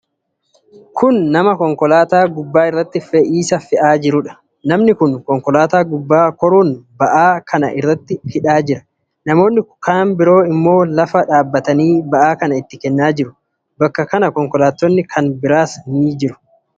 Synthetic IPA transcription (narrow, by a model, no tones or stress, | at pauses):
kʰʊnːɐmɐkɔŋkɔlaːt̪aːɡʊbːaːɪrːɐt̪ːɪfɛʔiːsɐfɪʔaːd͡ʒɪɾʊᶑɐ̥ | nɐmnɪkʊnkɔŋkɔlaːt̪aːɡʊbːaːkɔɾuːnbɐʔaːkʰɐnɐ̰ʔɪ̰rːɐt̪ːɪhɪᶑaːd͡ʒɪɾɐ | nɐmo̞ːnːɪkʰaːnbɪɾo̞ːɪmːo̞ːlɐfɐᶑaːbːɐt̪ɐniːbɐʔaːkɐnɐɪt̪ːɪkɛnːaːd͡ʒɪɾʊ | bɐkːɐkɐnɐkɔŋkɔlaːt̪ːɔnːɪkʰɐnbɪɾaːsɐniːd͡ʒɪɾʊ̥